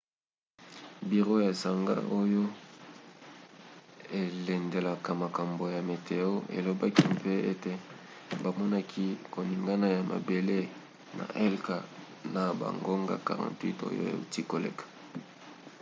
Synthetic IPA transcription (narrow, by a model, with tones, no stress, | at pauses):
bi˨ʁo˦ja˨sa˨ŋɡa̰˦ʔo˦jo˦ | e˨le˨nde˨la˨ka˨ma˨ka˨mbo˨ja˨me˨tʰe˨o˦ḛ˨lo˨ba˦ki˦mpe˦e˦te˦ | ba˨mɔ˦na˦kʰi˦ko˨ni˨ŋɡa˦na˦ja˨ma̰˨be˨le˦ | na̰˨ʔɛ˦lka˨ | na˨ba̰˨ŋɡo˦ŋɡa̰˨ka̰˨ʁã̰˨ntwi˦to̰˦jo̰˦a̰˨ti˦ko˨lḛ˦˨kḁ˨